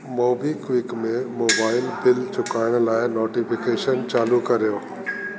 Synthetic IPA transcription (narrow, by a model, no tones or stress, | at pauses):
moːbiːkʋɪkmẽmoːbaːɪlbɪlt͡ɕʊkaːɪɽ̃̆laːɪnoːʈifɪkeːʃənt͡ɕaːlukɐɾijoː